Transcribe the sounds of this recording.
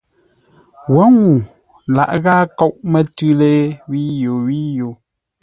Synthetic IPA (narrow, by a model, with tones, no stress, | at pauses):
wɔ˨˦ŋu˨ | la̰˨ʔɣaː˦kɔ˦˨ʔmə˦˨tʉ˦le˦wi˦jo˨wi˦jo˨